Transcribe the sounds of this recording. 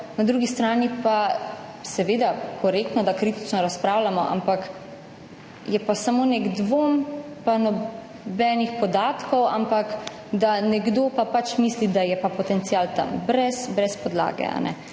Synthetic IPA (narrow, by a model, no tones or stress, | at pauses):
nad̪ɾuɡist̪ɾaːnipa | sɛʋeːd̪akɔɾekt̪nɔd̪akɾiːt̪i̥t͡ʃnɔɾaspɾaːwlamɔʔa̰mpak | jɛpasamoːneɡd̪ʋompanɔ | bɛːnixpɔd̪aːt̪kɔwa̰mpak | d̪anɛɡd̪oːpapat͡ʃmiːslid̪ajɛpapɔt̪ɛnt̪siaːlt̪a̰mbɾɛsbɾɛspɔd̪la̰ːɡɛ̰a̰nɛ̰